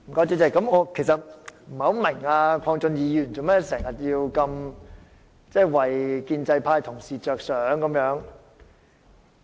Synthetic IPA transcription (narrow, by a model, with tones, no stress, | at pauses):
m̩˨˩kɔː˨˥t͡siː˧˥t͡sɛ˧˩kːɐ˨˧˥mɔː˨˧kʰe˨˩jsɐ˨t̚m̩˨˩hɐ˨˥wmɪ˨˩ŋaː˧kʷʰɔː˧ŋt͡sɵ˧njiː˨˧jyː˨˩nt͡so˨wmɛː˥sɛː˨˩ŋjɐ˨t̚jiː˧wkɐ˧m | t͡sɛː˥˩jwɐ˨jkiː˧nt͡sɐ˧jpʰaː˧jt̪ʰʊ˨˩ŋsiː˨t͡ʃœː˨k̚sœː˨˥ŋkɐ˨˧˦mjœː˨˧˥ŋ